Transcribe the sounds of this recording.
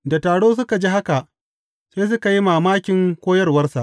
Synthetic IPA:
da˨taː˨ɽoː˦s̬ʊ˦ka˨d͡ʒi˦ha˦ka˨ʔ | seː˦s̬ʊ˦ka˨ji˦maː˨maː˦kʲɪ˨ŋkʷoː˦jɐ˦rwɐ˦rsa̰˨ʔ

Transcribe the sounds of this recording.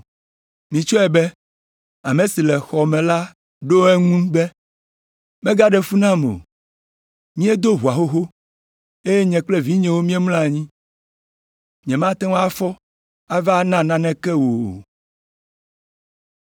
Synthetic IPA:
mĩ˨t͡ʃɔ˦ɛ˨bɛ˦ | a˨mẽ˨si˨lɛ˨xɔ˨mɛ̃˨la˦ | ɖo˦ɛ˦ŋũ˦bɛ˦ | mɛ̃˦ɡa˦ɖɛ˦fu˦nã˦mo̰˨ | mĩ˦ɛ˦d̪o˦ɦu˨a˨ɦo˦ɦo˦ | e˦je˦ɲɛ̃˨k͡plɛ˦vi˦ɲɛ̃˨wo˦mĩ˦ɛ˦mlã˦˨ɲĩ˦ | ɲ̃˨ɛ̃˨mã˦t̪ɛ˦wa˦fɔ˦ | a˦va˦nã˦nã˨nɛ̃˦kɛ˦wo˨

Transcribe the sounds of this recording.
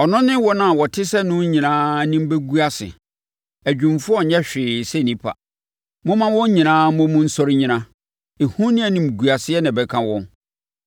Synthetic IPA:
ɔ˨nʊ̃˦nɪ̃˦wɔ˦nã˨wɔ˨tʰɪ˦sɛ˦nʊ̃˦ɲĩ˨nãː˦nɪ̃˦m̩˦be˦ɡu˦a˦sɪ̰˨ | æ˨d͡ʑᶣũ˨mfʊ˦ɔ˦ɲɛ˦ɕᶣɪː˨sɛ˦˨nĩ˦pʰa̰˨ | mʊ̃˦mã˦wɔ̃˦ɲĩ˨nãː˦mʊ̃˦mʊ̃˦n̩˦sɔ˦ɾɪ˦ɲĩ˨nã˦ | e˨hũ˦nɪ̃˦æ˨nĩ˨m̩˨ɡu˨a˨sɪ˦ɛ˦nã˨bɛ˦kʰã˦wɔ̃˦n

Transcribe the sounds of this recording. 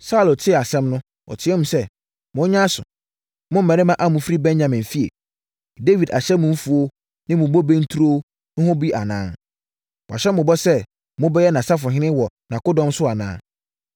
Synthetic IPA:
sa˦u˦lo˨tʰɪ˦˨a˨sɛ̃˦mnʊ̃˦ | wɔ̰˨tʰɪ˨ɛ˦mũ˨sɛ˦ | mʊ̃˨˦ɲã˦sʊ̰˨ | mʊ̃˦m̩˨mɛ̃˨ɾɪ˦mã˦ʔa˦mũ˨fɾi˦bɛ̃˦nɲã˨mɪ̃˨m̩˨fi˦ḛ˨ | de˦vi˨da˨ɕɛ˦mʊ̃˨m̩˦fu˨o˦ | nɪ̃˦mʊ̃˨bɔ˦bɛ˦n̩˦tʰu˦ɾo˦ | nʊ̃˦hʊ̃˦bi˦ʔa˨nãː˨˦ | wʔɔ̰˨ɕɛ˦mʊ̃˨bɔ˦sɛ˦ | mʊ̃˦bɛ˦jɛ˦nã˨sa˦fʊ˨ɦɪ˦nɪ̃˦wɔ˨nã˨kʊ˦dɔ̃˦msʊ˦a˨nã̰ː˦

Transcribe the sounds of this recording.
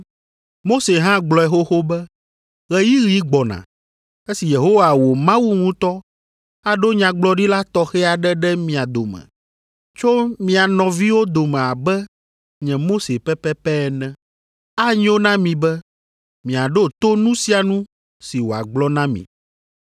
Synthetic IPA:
mo˦se˨ɦã˦ɡ͡blɔ˨ɛ˨xo˦xo˦bɛ˦ | ɣɛ˦ji˦ɣi˦ɡ͡bɔ˨nã̰˨ | e˦si˨je˨ɦo˦wa˨wo˨mã˦wu˦ŋũ˦t̪ɔ˦ | a˨ɖo˦ɲã˨ɡ͡blɔ˦ɖi˦la˦t̪ɔ˦xɛ˦a˨ɖɛ˦ɖɛ˦mĩ˨a˨d̪o˨mɛ̰̃˨ | t͡ʃo˦mĩ˨a˨nɔ̃˨vi˦wo˦d̪o˨mɛ̃˨a˨bɛ˦ | ɲɛ̃˨mo˦se˨pɛ˦pɛ˦pɛ˦ɛ˨nɛ̃˨ | a˦ɲ˦o˦nã˦mĩ˨bɛ˦ | mĩ˨a˨ɖo˦t̪o˦nũ˦si˦a˨nũ˦ | si˨wo˨a̰˨ɡ͡blɔ˦nã˦mḭ̃˨

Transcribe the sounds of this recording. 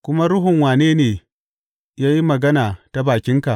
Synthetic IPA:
kʷʊ˦ma˦ɾʊ˦ɦʊ˨ŋwaː˨neː˦neː˨ | jaː˦ji˦mɐ˨ɡɐ˦naː˨ta˦baː˨kʲɪ˦ŋka˨ʔ

